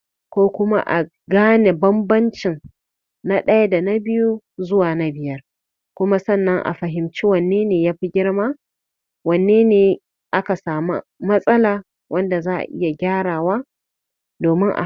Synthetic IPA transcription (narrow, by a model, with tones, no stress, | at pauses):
kʷoː˦kʷʊ˦ma̰˦ʔa˨ | ɡaː˦ne˨bɐ˦mbɐ˦nt͡ʃɪ˨n | na˦ɗɐ˦ja˦da˨na˦bɪ˦ju˦zʊ˦waː˨na˦bɪ˨jɐ˦r | kʷʊ˦ma˦sɐ˦˨nːɐ˦ŋʔa̰˨ɸɐ˨ɦɪ˨mt͡ʃi˦wɐ˨nːeː˦neː˨jaː˦ɸi˦ɡʲɪ˦ɽmaː˦ | wɐ˨nːeː˦neː˨ | ʔa˦ka˨saː˨mṵ˦mɐ˦sʼɐ˦laː˨ | wʔɐ˦nda˨zaː˦ʔa̰˨ʔɪ̰˦ja˨ɡʲaː˦ɽaː˨waː˦ | doː˨mɪ˦ŋʔa̰˨